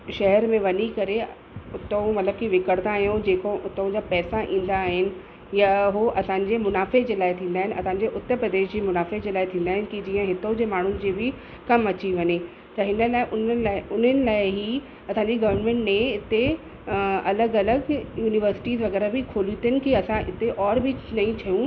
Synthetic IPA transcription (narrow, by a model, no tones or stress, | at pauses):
ʃɐɦɛɾmẽʋɐnikɐɾe | ʊt̪omɐt̪ləb̚kiʋɪkəɽt̪aːɦijõd͡ʑeːkoʔʊt̪ʊ̃d͡ʑapɛːsaʔḭ̃ːn̆d̪aːɦɪnɪ̆ | jaɦoʔɐsãːɲd͡ʑemʊnaːfed͡ʑeːlaːɪt̪ʰĩːn̆d̪aːɦɪnɪ̆ʔɐsãːɲ̆d͡ʑeʔʊt̪ːəɾpɾɐd̪eːʃd͡ʑeːmʊnaːfed͡ʑeːlaːɪt̪ʰĩːn̆d̪aːɦɪnɪ̆kid͡ʑiːə̃ɦɪt̪od͡ʑeːmaːɳ̤ʊnɪ̆d͡ʑiːbɪ | kɐmɐt͡ɕiʋɐɲe | t̪ɐɦɪnəlaːɪʔʊnlaʊn̤ənɪ̆laːɪɦi | ɐsãːɲ̆d͡ʑiɡɐʋəɾmẽːɳʈmẽɪt̪e | ɐləɡɐləɡjuːnɪʋəɾsɪ̥ʈiːzʋɐɣɛːɾabɪkʰoːlit̪iənɪ̆kiɐsãɪ̰t̪eʔɔːɾbʱɪnɐĩt͡ɕʰɐjũ